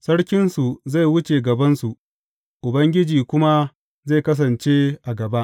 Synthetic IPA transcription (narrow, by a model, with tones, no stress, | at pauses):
sɐ˦ɽkʲɪ˦nsu˨za˦˨jwʊ˦t͡ʃeː˨ɡɐ˨bɐ˦nsu˨ʔ | ʔʊ˨bɐ˦ŋɡʲɪ˦d͡ʒiː˨kʷʊ˦ma˦ | za˦˨jkɐ˦s̬ɐ˨nt͡ʃeː˦ʔa˨ɡɐ˨ba˦ʔ